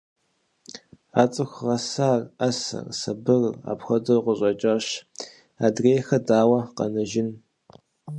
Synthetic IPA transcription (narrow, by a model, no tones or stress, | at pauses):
aːt͡sʼɨxʷʁɐsaːrɐsɐ̰rsɐbɨra̰ːpxʷɐdɨrqʷʊɕʼɐt͡ʃʼɐɕ | aːdreːxɐdaːwɐqɐ̰nɐʒɪn